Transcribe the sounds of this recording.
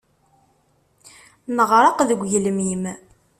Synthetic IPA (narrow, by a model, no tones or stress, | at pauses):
nəʁɾˤɑqðəɡʷʝləmim